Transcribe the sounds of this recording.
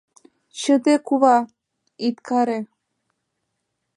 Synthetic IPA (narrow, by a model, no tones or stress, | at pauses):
t͡ɕəd̪ekuβɑ | it̪kʰɑɾe